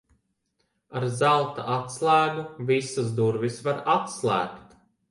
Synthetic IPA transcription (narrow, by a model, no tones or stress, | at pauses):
aɾzalˠt̪a̰ʔat̪slˠæːɡuvisasd̪uɾvisvaɾat̪slˠæ̰ːkt̪